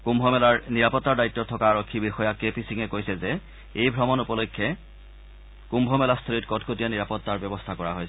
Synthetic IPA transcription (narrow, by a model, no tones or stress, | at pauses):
kumbʱɔmɛlaɹniɹapɔtːaɹdaitːɔtʰːɔkaːɹɔkʰːibixɔjakepisiŋɛkojsɛzɛ | ejbʱɹɔmɔnupɔlokʰːɛ | kumbʱɔmɛlast̪ʰolitkɔtkʰotijaniɹapɔtːaɹbɔbɔstʰakɔɹa̰ɦojs